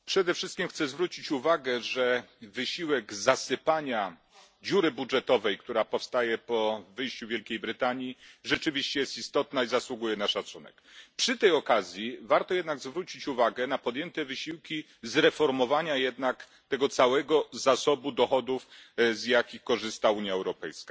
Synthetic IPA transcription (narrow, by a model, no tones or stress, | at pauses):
pʂɛd̪ɛfʂɘst̪̚kʲimxt̪sɛzvɾut͡ɕit͡ɕuvaɡɛʐɛvɘɕiwɛɡzasɘpaɲa | d͡ʑuɾɘbudʐɛt̪ɔvɛjkt̪uɾapɔfst̪ajɛpɔvɘjɕt͡ɕuvʲjɛlkʲejbɾɘt̪aɲjiʐɛt͡ʂɘvʲiɕt͡ɕɛjɛst̪ist̪ɔt̪naizaswuɡujɛnaʂat̪sunɛ̰kpʂɘt̪ɛjɔkazʲjivaɾt̪ɔjɛd̪naɡzvɾut͡ɕit͡ɕuvaɡɛnapɔd̪jɛnt̪ɛvɘɕiwkʲi | zɾɛfɔɾmɔvaɲajɛd̪nak | t̪ɛɡɔt̪sawɛɡɔzasɔbud̪ɔxɔd̪ufzjakʲixkɔʐɘst̪auɲjaɛwɾɔpɛ̰jska